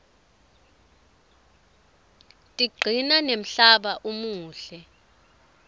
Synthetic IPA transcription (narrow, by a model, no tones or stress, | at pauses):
tʼiɡ͡ǀʱinanem̩ɬaɓaʔumuːɬɛ